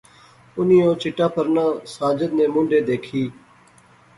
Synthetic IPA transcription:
ʊniːõːt͡ʃɪʈãːpʰəɾnãːsaːd͡ʒəd̪nẽːmʊ̃ɳɖeːd̪eːkʰiː

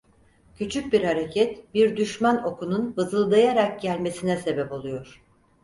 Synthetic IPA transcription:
cʰyt͡ʃʰyc̚biɾhaɾe̞cʰɛt̪biɾd̪yʃmæno̞kʰununbɯzɯlˠd̪ajaɾak̚ɟælʲme̞sinɛse̞bɛpo̞lˠujoɾ̥

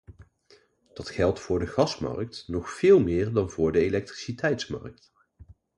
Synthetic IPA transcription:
d̥ɑtχɛlˠtfʊːɹdəɣɑsmɑ̰rk̚tnɔχfɪːlˠmɪːɹdɑnvʊːɹdəelɛk̚tri̥sitɛjtsmɑ̰ɹk̚t

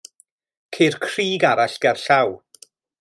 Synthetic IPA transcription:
kʰerkʰr̥iːɡaɾaɬɡ̥ɛrɬaw

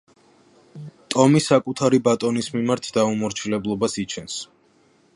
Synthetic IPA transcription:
t̪ʼɔmisakʼut̪ʰaɾibat̪ʼɔnismimaɾt̪ʰd̪aumɔɾt͡ʃʰilɛblˠɔbasit͡ʃʰɛns

